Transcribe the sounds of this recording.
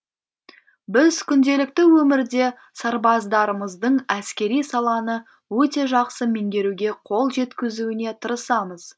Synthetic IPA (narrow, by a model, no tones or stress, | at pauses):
bɪzkʲʰʏnd̪e̞lɪk̚t̪ɪwɵmɪɾd̪e̞ | sɑɾbɑzd̪ɑɾəməzd̪əɴæskʲe̞ɾijsɑlˠɑnə | wɵt̪e̞ʒɑqsəmeŋd̪e̞ɾuɡʲe̞qʰo̞lˠʒe̞t̪kʲɪzuwɪne̞t̪ʰəɾəsɑməz̥